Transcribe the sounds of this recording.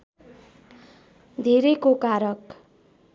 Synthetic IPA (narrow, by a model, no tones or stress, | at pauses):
d̪ʱeɾejkokaɾʌk